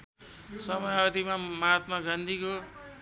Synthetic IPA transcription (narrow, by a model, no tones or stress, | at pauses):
sʌmʌjʌd̪imamaat̪mʌɡʌnd̪ʱiko